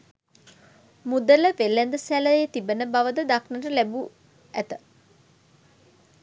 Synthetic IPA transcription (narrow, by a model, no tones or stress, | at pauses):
mud̪ələʋelːænd̪əsæləjet̪ibənəbaʋəd̪əd̪aknəʈəlæbu | æt̪ə